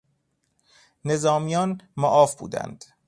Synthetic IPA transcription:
ne̞zɒːmijɒːnmɔʔɒːfbṵːd̪æ̰nd̪̥

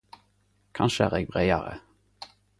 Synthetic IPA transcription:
kʰɑnʃəæːʁeːɡ̚bʁeɪɑɾə̰

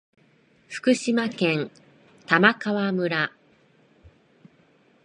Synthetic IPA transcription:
ɸɯ̥kɯ̟ɕimakẽ̞n | t̪amakaβamɯ̟ɾa

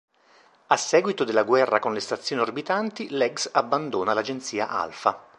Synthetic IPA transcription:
asːɛːɡwit̪od̪elːaɡwɛrːakonlest̪at̪sjoːniorbit̪ant̪ilɛɡsabːand̪oːnalad͡ʒent̪siːa̰ʔa̰lfa

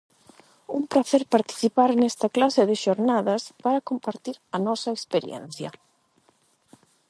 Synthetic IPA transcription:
umpɾaθɛɾpaɾt̪i̥θipaɾnɛst̪ɐklasɪðeʃoɾnaðɐspaɾakompaɾt̪iɾɐnɔsɐekspeɾj̰ɛ̰n̟θjɐ̰

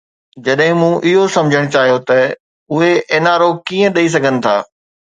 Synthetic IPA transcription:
d͡ʑɐɗɦɪ̃mũːʔɪɦosɐ̃md͡ʑʱəɽ̃t͡ɕaːɦijot̪ɐ | ʊɦeʔeːnaːɾokiːə̃ɗɐis̬ɐɡʱənɪ̆t̪ʰaː

